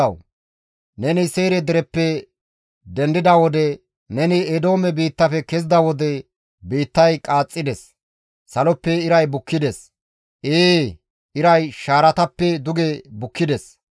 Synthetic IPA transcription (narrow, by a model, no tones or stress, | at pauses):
ɐw | nɛnɪse̞ːɾɛd̪ɪɾɛpːɛ | d̪ɛnd̪ɪd̪ɐwɔd̪ɛ | nɛnɪed̪o̞ːmɛbiːt̪ːɐfɛkɛzɪd̪ɐwɔd̪ɛ | biːt̪ːɐjkʼaːt͡sʼːɪd̪ɛsː | ɐlɔpːɛɪɾɐjbʊkːɪd̪ɛs | eː | ɪɾɐjʃaːɾɐt̪ɐpːɛd̪ʊɡɛbʊkːɪd̪ɛs